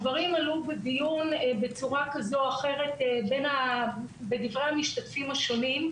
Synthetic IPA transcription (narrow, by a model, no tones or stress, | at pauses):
vɐʁimalubedijunbet͡suʁakazoaχe̞ʁe̞tebe̞nabedivʁeamiʃtatfimaʃo̞nim